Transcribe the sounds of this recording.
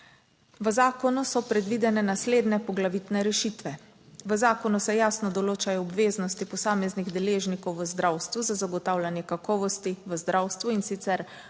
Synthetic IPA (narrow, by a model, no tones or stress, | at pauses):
ʋəzaːkɔnusɔpɾɛd̪ʋiːd̪ɛnɛnasleːd̪nɛpɔɡlaʋit̪nɛɾɛʃit̪ʋɛ | ʋəzaːkɔnusɛjaːsnɔd̪ɔloːt͡ʃajɔɔbʋeːznɔst̪ipɔsaːmɛzniɣd̪ɛleːʒnikɔwʋəzd̪ɾawst̪ʋuzazaɡɔt̪aːwlʲanjɛkakɔːʋɔst̪iʋəzd̪ɾawst̪ʋuinsit̪sɛɾ